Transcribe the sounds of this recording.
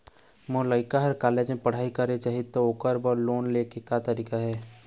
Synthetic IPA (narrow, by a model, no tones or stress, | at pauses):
moːlaɪkaɦəɾkaːleːd͡ʒmẽpɐɽ̤aːikəɾet͡ʃaɦit̪ooːkəɾbɔːɾloːnleːkekat̪əɾiːkaɦɛː